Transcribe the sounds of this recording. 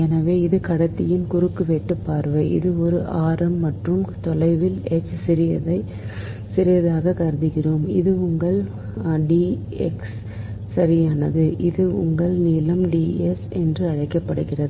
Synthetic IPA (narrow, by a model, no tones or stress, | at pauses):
ɛnɐʋeːɪðɯkɐɽɐt̪ːɪjɪnkʊɾɯkːɯʋeːʈːɯpːaːɾʋɐɪʔɪ̰ðɯɔɾɯʔaːɾɐmːɐʈrɯmt̪ɔlɐɪʋɪlɛt͡ʃːsɪɾɪjɐðɐɪ | sɪɾɪjɐðaːɣɐkɐɾɯðɯɣɪroːmɪ̰ðɯʊŋɡɐɭ | ɖiː | ɛ̰ks | sɐɾɪjaːnɐðɯʔɪðɯʊ̰ŋɡɐɭniːlɐmɖiːɛsɛndrɯɐɻɐɪkːɐpːɐɽɯɣɪrɐðɯɯ